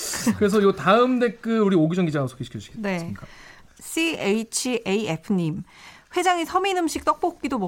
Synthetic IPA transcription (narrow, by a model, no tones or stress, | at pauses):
kɯɾe̞s̬ʰʌjotaɯmde̞k͈ɯuɾioɡid͡ʑʌŋɡid͡ʑasʰo̥ɡʰeɕi̥kʰʌuɕi̥ɡ̥ne̞sɲik͈a | sʰieit͡ɕʰiʔeiepʰɯɲim | ɸwe̞d͡ʑaŋisʰʌminɯmɕʰik̚t͈ʌk̚p͈ok̚k͈idomʌ